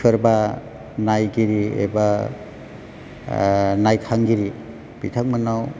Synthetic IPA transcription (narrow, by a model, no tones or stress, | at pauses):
ɯɾba | najɡiɾiḛba | najkʰaŋɡiɾi | b̥itʰak̚manaw